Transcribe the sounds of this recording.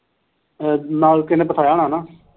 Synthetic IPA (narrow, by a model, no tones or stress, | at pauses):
naːlkɪnẽːpət̪ʰaːjaːɳaːnãː